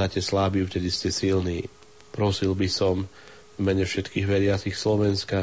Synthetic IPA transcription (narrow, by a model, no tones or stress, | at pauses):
aːcɛslaːbiuft̪ɛd̪iscɛsilniː | pɾɔsilbisɔm | vmɛɲɛfʃɛt̪kiːɣʋɛɾɪat͡sixslɔʋɛnska